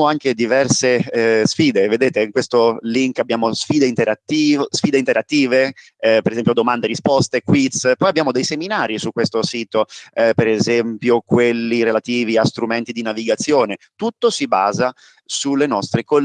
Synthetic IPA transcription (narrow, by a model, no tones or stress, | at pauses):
oaŋked̪ivɛrsesfiːd̪eved̪eːt̪eiŋkwest̪oliŋkabːjaːmosfiːd̪eint̪eɾat̪ːisfiːd̪eint̪eɾat̪ːiːve | peɾezɛmpjod̪omand̪eɾispɔst̪ekwit̪spɔjabːjaːmod̪ejseminaːɾisukːwest̪osiːt̪opeɾezɛmpjokwelːiɾelat̪iːviast̪ɾument̪id̪inaviɡat̪sːjoːnet̪ut̪ːosiba̰ːza | sulːenɔst̪ɾeko